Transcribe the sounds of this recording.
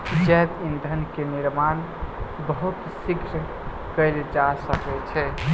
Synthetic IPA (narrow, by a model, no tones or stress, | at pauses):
d͡ʒɛbind̪ʱənkeniɾman | bəɦut̪siɡʱɾ | kəjld͡ʒasəkɛt͡ʃʰɛ